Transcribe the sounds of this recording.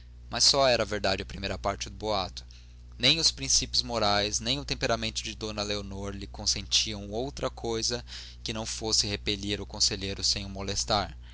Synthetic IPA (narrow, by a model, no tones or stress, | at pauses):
mɐsːɔɛɾɐveɾd̪ad͡ʒɪɐpɾimejɾɐpaɾt͡ʃɪd̪ʊboat̪ʊ̥ | nẽj̃ʊspɾĩsipjʊzmoɾajznẽj̃ʊt̪ẽmpeɾamẽnt̪ʊd͡ʒɪd̪õnɐleonoɾlɪkõsẽnt͡ʃiɐ̃w̃owt̪ɾɐkʰojzɐ | kɪnɐ̃w̃fosɪhepeʎiɾʊkõseʎejɾʊsẽj̃ʊmolest̪aɾ